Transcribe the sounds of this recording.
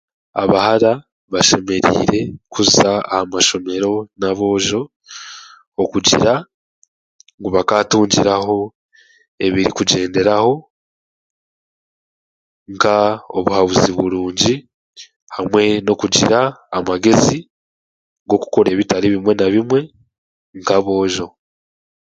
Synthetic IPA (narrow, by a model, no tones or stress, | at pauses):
a̰βahaɾa | βaʃe̞me̞ɾḭːɾe̞kuza̰ːhamaʃo̞me̞ɾo̞naβo̞ːʒo̞ | okuɟḭɾa | ŋɡoβakatuːɲɟiɾaɦo̞ | e̞βiɾikuɟe̞ːnde̞ɾaho̞ | ŋkao̰βuhaβuziβuɾuːɲɟi | hamwe̞no̞kuɟiɾaːmaɡe̞zi | ɡo̞ku̥ko̞ɾeːβitaɾiβimwe̞naβimwe̞ | ŋkaβo̞ːʒo̞